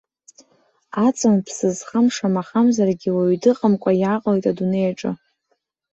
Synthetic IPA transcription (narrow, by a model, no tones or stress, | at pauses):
at͡sʼɨmpʰsɨzχamʂamaχamzarɡʲiwaɥdɨqʼəmkʷʼajaqʼlejtʼadunejaʈ͡ʂʼɨ